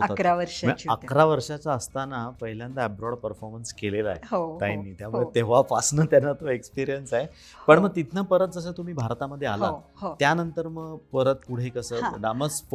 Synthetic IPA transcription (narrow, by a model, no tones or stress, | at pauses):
əakɾaʋəɾʂaməəkɾaʋəɾʂat͡saəst̪anapəɦiljãnt̪abɾɔɽpəɾfɔɾmənskelela̰eɦoainːiːt̪jamuɭet̪eʋ̤afasnət̪janːat̪oekspiɾijənsaɦe | pəɳməɡ̚t̪it̪ʰnəpəɾət̪̚d͡zəs̬əːt̪um̤iːbʱaɾt̪aməd̪ʱːjeala̰ | ɦot̪janənt̪əɾməɡpəɾət̪̚puɽ̤ekəsəːnaməs